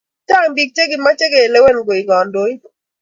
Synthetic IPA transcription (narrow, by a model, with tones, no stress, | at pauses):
ta˦˨mbi˨k̚t͡ʃe˦ɡɪ˨ma˦t͡ʃe˦ɡe˨le˦wɛ˦˨nɡo˨i˨ŋɔ˨ndo˦i˦